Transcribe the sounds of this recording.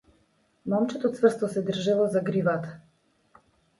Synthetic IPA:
mɔmt͡ʃɛt̪ɔt̪svr̩st̪ɔsɛd̪r̩ʒɛlˠɔzaɡɾivat̪ḁ

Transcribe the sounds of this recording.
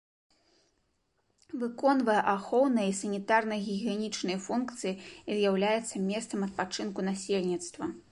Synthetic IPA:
vɨkɔnvɐjɛʔaxɔwnɐjisɐnʲit̪arnɐɣʲiɣʲɛnʲit͡ʂnɐjfunkt̪sɨjiizjawlʲajɛt̪sːɐmʲɛst̪sɐmɐt̪̚pat͡ʂɨnkunasʲelʲnʲit̪st̪vɐ

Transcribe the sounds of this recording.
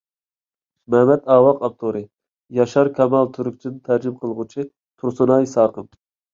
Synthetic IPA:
mɛmɛt̪ɑːwɑqɑp̚t̪ʰoɾɨ | jɑʃɑɾkʲʰɛmɑlˠt̪ʰyɾuk̚ʲt͡ʃʰint̪ʰæɾd͡ʒɪmqʰəlˠʁʊt͡ʃʰi | t̪ʰuɾsunɑjsɑːɾqəm

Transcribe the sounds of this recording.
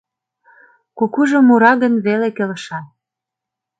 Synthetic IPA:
kukuʒŏmuɾɑɣə̆nβelekelə̆ʃɑ

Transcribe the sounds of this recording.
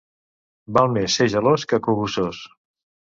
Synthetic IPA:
balˠmesːeʒəloskəkuɣusos

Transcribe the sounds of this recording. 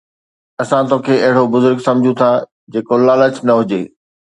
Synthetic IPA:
ɐsãt̪oːkʰeːɐɦɪɽobʊzʊɾɡsɐ̃md͡ʑʱũt̪ʰa | d͡ʑeːkolaːlət͡ɕnɐɦʊd͡ʑeː

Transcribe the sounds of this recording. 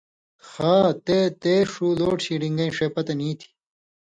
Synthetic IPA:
xaːt̪et̪eːʂuːloːʈɕiɖiŋɡɐĩʂeːpɐt̪ɐniːt̪ʰi̥

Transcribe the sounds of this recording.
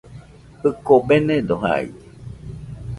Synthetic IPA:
hɨkobenẽd̪oɦa̰ḭ

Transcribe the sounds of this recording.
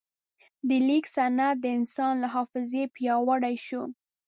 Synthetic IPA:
d̪əliksanat̪̚d̪əɪnsɑnlaɦɑfɪzepjɑwaɽajʃu

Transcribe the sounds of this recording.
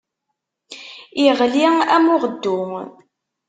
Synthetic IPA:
iʁliæmʊʁəd̪ːʊ

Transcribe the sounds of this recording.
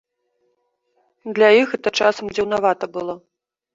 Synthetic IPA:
d̪lʲajixɛt̪ɐt͡ʂasɐmd͡zʲiwnavat̪ɐbɨlˠɔ

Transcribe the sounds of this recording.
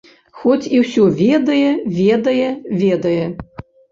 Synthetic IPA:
xɔt͡sʲiwsʲɔvʲed̪ɐjɛvʲed̪ɐjɛvʲed̪ɐjɛ

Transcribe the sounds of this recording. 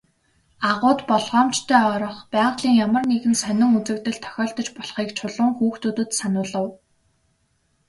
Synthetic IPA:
aʁʊːt̪pɔɮʁɔːmt͡ɕt̪ʰœːɔɾɞ̆χpæːʁɮiːŋjamə̆rneɣɘ̆nsœnʲɪ̆ŋut͡sɘ̆k̚t̪ɘ̆ɮt̪ʰœ̥xʲɔːɬt̪ɞ̆t͡ɕpɔɮχiːkt͡ɕʰʊɮʊ̆ːŋxuːxt̪uːt̪ɘ̆t̪sanʊːɮə̆w

